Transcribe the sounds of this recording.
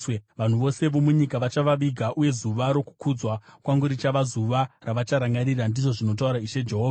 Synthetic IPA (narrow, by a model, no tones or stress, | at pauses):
ʋan̤uʋo̞se̞ʋo̞muɲikaʋat͡ʃaʋaʋiɡʱaʔuje̞zuʋaɾo̞ku̥kud͡zwakwaŋɡuɾit͡ʃaʋazuʋaraʋat͡ʃaɾaŋɡaɾirandiʐo̞ʐino̞t̬auɾaiʃe̞d͡ʒe̞ɦoːvaa